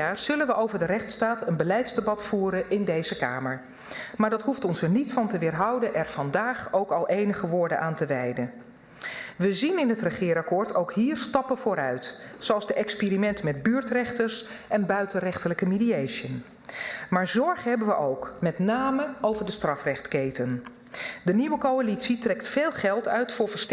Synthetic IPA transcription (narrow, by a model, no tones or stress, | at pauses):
aːɹz̥ɵlənʋəʔowvəɹdərɛχtstaːtənbəlɛjtzdebɑtfuːɾənɪndejzəka̰ːməɹ | maːɹdɑtɦuftɔnsɛɹnitfɑntəʋɪːɹɦɑwdənʔɛɹv̥ɑndaːχowkɑlˠʔejnəχəʋʊːɹdə̰nʔaːntəʋɛjdə | ʋəzinɪnɦətrəχɪːɾɑkʊːɹtʰowkɦiːɹstɑpənvʊːɾœɥtsowɑlˠzdəʔɛkspiːɾimɛntəmɛd̚byːɹtrɛχtəɹsʔɛnbœɥtənrɛχtələkəmidiejʃjən | maːɹzɔɹχəɦɛbənʋəʔowkmɛtnaːməowvəɹdəstrɑfrɛχtkejtən | dəniʋəkowalitsitrɛktfeːlˠχɛlˠtœ̰ɥtfʊːɹv̥əɹst